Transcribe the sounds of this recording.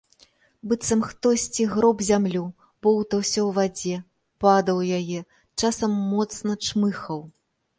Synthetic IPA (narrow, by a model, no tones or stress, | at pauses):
bɨt̪sɐmxt̪ɔsʲt͡sʲiɣɾɔbzʲamlʲu | bɔwt̪ɐwsʲɐwvad͡zʲɛ | pad̪ɐwjajɛ | t͡ʂasɐmːɔt̪snɐt͡ʂmɨxɐw